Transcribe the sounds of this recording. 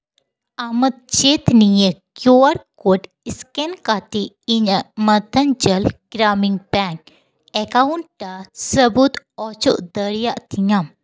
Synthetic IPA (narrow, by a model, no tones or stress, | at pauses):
amɐt̪̚t͡ʃet̪nijəkjoaɾkoʈ | iskenkat̪i | iɲəmɐt̪ɐnd͡ʒəlɡ̥ɾaːmiŋɡpaŋk̚ | ekauɳʈʈasəbut̪ | ɔt͡ʃo̰ʔd̪əɾjaʔt̪iɲam